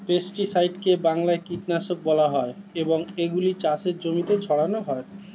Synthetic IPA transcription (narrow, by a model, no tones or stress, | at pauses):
pesʈisajɖkebaŋlaekiʈnaʃok̚bɔlaɦɔeeboŋeɡulit͡ɕaʃeɾd͡ʑomit̪et͡ɕʰɔɽanoɦɔe